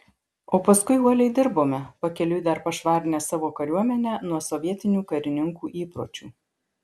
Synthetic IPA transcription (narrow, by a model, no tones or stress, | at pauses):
oːpɐskʊɪuɔlʲɛɪd̪ʲɪɾboːmʲɛpɐkʲɛlʲʊd̪ɐɾpɐʃʋɑːɾʲɪnʲɛːsɑːʋoːkɐɾʲuɔmʲɛnʲæːnuɔsɔʋʲiɛt̪ʲɪnʲuːkɐɾʲɪnʲɪŋkuːʔiːpɾo̰ːt͡ʃʲuː